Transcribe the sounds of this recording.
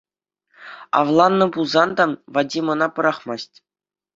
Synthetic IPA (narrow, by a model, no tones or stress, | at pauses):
ɑ̰vlˠɑnːɤ̆pulˠzɑnd̪ɑvɑdʲimɤ̆nɑpɤ̆ɾɑχmɑsʲtʲ